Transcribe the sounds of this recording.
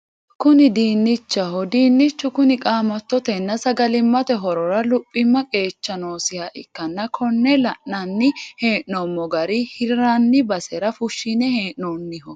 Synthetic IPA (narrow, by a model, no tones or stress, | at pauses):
kʊnɪd̪iːnːɪt͡ʃːɐhɔd̪iːnːɪt͡ʃːʊkʊnɪkʼaːmɐt̪ːɔt̪ɛnːɐsɐɡɐlɪmːɐt̪ɛɦɔɾɔɾɐlʊpʼːɪmːɐkʼe̞ːt͡ʃːɐnoːsɪhɐʔɪkːɐnːɐkʰɔnːɛlɐʔnɐnːɪhe̞ːʔnɔmːɔɡɐɾɪhɪɾɾanːɪbɐsɛɾɐfʊʃːinɛheːʔnoːnːɪhɔ